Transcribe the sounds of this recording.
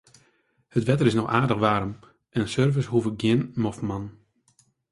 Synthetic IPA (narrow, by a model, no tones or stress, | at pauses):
hətʋɛtəɾɪsnɔxaːrdəxʋaːɾəm | ʔɛnsørvəshuvəɡjɪnmɔfman